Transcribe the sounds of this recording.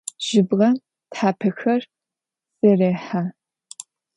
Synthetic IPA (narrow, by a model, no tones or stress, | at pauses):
ʒ̥ɪbʁɐ | tħaːpʰɨxɐr | sɨreːħaː